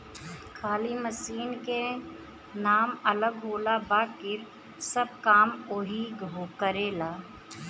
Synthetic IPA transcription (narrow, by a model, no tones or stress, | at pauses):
kʰaːliməsiːnke | naːmɐləɡɦoːlabaːkɪɾ | səb̚kaːmoɦiɡʱoːkəɾeːlaː